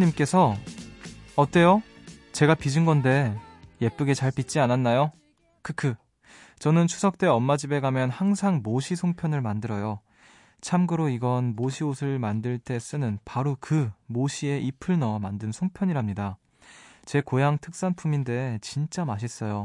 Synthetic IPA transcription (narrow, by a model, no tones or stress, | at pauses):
ɲimk͈e̞sʰʌ | ʌt͈e̞jo | t͡ɕe̞ɡapid͡ʑinɡʌnde̞je̞p͈ɯɡet͡ɕaɭpit̚t͡ɕ͈iananːajo | kɯkʰɯ | t͡ɕʌnɯnt͡ɕʰu̥sʰʌk̚t͈e̞ʌmmad͡ʑibe̞ɡamjʌnhaŋsʰaŋmoɕʰisʰoŋpʰjʌnɯɭmandɯɾʌjo | t͡ɕʰamɡɯɾoiɡʌnmoɕʰiosʰɯɭmandɯɭt͈e̞s͈ɯnɯnpaɾokɯmoɕʰie̞ʔipʰɯɭnʌmandɯnsʰoŋpʰjʌɲiɾamɲida | t͡ɕe̞kojaŋtʰɯk̚s͈anpʰuminde̞t͡ɕint͡ɕ͈amaɕ̬ʰis͈ʌjo